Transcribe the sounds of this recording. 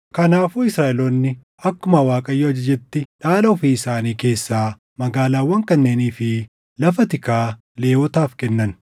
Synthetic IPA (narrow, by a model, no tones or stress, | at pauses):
kɐnaːfuːɪsɾaːʔɛlonːɪ | ɐkːʊmɐwaːkʼɐjːoɐd͡ʒɪd͡ʒɛt̪ːɪᶑaːlɐɔfiːɪsaːniːke̞ːsːaː | mɐɡaːlaːwːɐŋkɐnːe̞ːniːfɪ | lɐfɐt̪ɪkaː | le̞ːwɔt̪aːfkɛnːɐn